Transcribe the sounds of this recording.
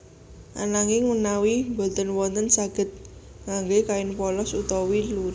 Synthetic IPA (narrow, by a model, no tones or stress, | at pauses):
ʔa̰naŋɪŋmənawimbɔ̤t̪ənwɔnt̪ənsaɡ̥ə̤t̪̚ | ŋaŋɡekaɪnpɔlɔsut̪ɔwiluɾ